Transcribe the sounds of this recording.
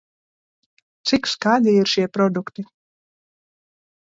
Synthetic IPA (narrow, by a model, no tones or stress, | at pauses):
t̪sikskaːd̪iiɾʃiɛpɾɔd̪ukt̪i